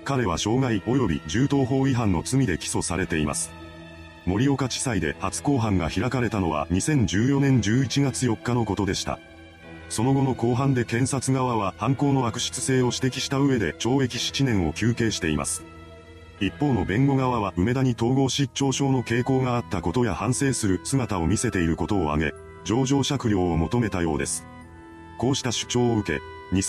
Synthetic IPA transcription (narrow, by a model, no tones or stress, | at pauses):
kaɾe̞βaɕo̞ːɡaiʔo̞jo̞bʲḭd͡ʑɨːt̪o̞ːɦo̞ːiɦãnːo̞t͡sɨmʲid̪e̞kʲi̥so̞saɾe̞t̪e̞ima̰sɨ̥ | mo̞ɾʲio̞kat͡ɕi̥said̪e̞̰hat͡sɨ̥ko̞ːɦãŋɡa̰çiɾakaɾe̞t̪ano̞βa̰ɲ̟isẽ̞ɲ̟d͡ʑɨːjo̞nẽ̞ɲ̟d͡ʑɨːit͡ɕiɡat͡sɨjo̞kːano̞ko̞t̪o̞d̪e̞ɕi̥t̪a̰ | so̞no̞ɡo̞no̞ko̞ːɦãnd̪e̞kẽ̞ɰ̃sat͡sɨɡaβaβ̞ahãŋko̞ːno̞akɯ̟̥ɕi̥t͡sɨ̥se̞ːo̞ɕi̥t̪e̞kʲi̥ɕi̥t̪aɯ̟e̞d̪e̞t͡ɕo̞ːe̞kʲi̥ɕi̥t͡ɕinẽ̞ɰ̃o̞kʲɨːke̞ːɕi̥t̪e̞ima̰sɨ̥ | ipːo̞ːno̞bẽ̞ŋɡo̞ɡaβaβ̞aʔɯ̟me̞d̪aɲ̟it̪o̞ːɡo̞ːɕit͡ɕːo̞ːɕo̞ːno̞ke̞ːko̞ːɡaːt̪ːako̞t̪o̞jahãɰ̃se̞ːsɨɾɯ̟sɨɡat̪ao̞mʲise̞t̪e̞iɾɯ̟ko̞t̪o̞ːa̰ɡe̞̰ | d͡ʑo̞ːʑo̞ːɕakɯ̟ɾʲjo̞ːmo̞t̪o̞me̞t̪ajo̞ːd̪e̞̰sɨ̥ | ko̞ːɕi̥t̪aɕɨ̥t͡ɕo̞ːɯ̟ke̞̰ | ɲ̟i